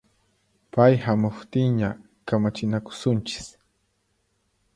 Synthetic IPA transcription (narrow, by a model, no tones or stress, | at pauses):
pajhamʊχt̪ɪŋɲa | kamat͡ʃɪnakʊ̥sʊnt͡ʃɪ̥s